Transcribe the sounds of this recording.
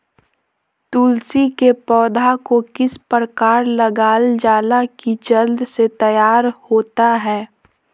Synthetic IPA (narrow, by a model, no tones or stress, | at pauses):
t̪uːlsikepɔːd̪ʱakokɪspɾəkaːɾləɡaːld͡ʒaːlakid͡ʒɐld̪set̪ɐjaːɾhoːt̪aɦɛː